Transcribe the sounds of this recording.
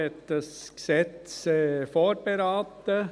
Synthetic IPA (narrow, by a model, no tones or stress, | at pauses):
ɛt̪əsksɛt̪sefoːɾbəɾɑːt̪ə